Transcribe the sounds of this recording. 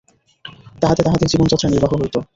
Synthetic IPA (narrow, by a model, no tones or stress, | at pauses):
t̪aɦat̪et̪aɦat̪ed͡ʑibont͡ɕɔt̪ːɾaniɾbaɦoɦojt̪o